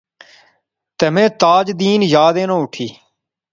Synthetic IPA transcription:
t̪əmẽːt̪aːd͡ʒd̪iːnjaːd̪eːnõːʊʈʰiː

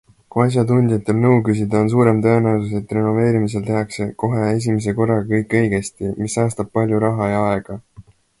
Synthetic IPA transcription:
kuɑs̬ʲjɑt̪unʲd̪̥ijɑt̪ːˑe̞lnɤwkysid̪ɑons̬uːɾe̞mt̪ɤe̞næwsuse̞t̪ːˑre̞no̞ve̞ːɾimis̬e̞lt̪e̞ɦɑkse̞ko̞ɦe̞e̞s̬ʲimes̬e̞ko̞rːɑɡɑkɤjkːˑɤjɡe̞st̪imisːɑːst̪ɑb̚pɑlʲjuɾɑɦɑjɑɑe̞ɡ̥ɑ

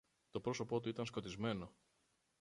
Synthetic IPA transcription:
t̪o̞pɾo̞so̞po̞t̪uit̪ɐnsko̞t̪izme̞no̞

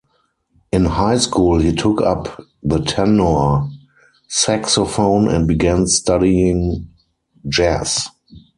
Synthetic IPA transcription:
ʔɪ̃nhaɪskuːlhiːtʰʊkʰa̰pðətʰɛno | sæksɔfõʊ̃nɛ̰̃nt̚biɡæ̃nstadiɪ̃ŋ | d͡ʒæs

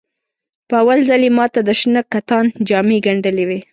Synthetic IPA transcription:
pəawalzalemɑt̪ad̪əʃnəkːat̪ɑnd͡ʒɑmeɡaɳɖəlewe

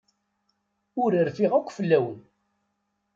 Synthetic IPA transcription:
ʊɾiɾfiʁakʷːfəlːæwən

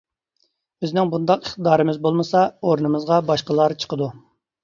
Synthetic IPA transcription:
bɪznɪŋbund̪ɑqiχt̪əd̪ɑːɾɨmɪzbolˠmɨsɑoɾnɨmɨzʁɑbɑʃqəlˠɑɾt͡ʃʰə̥qəd̪u

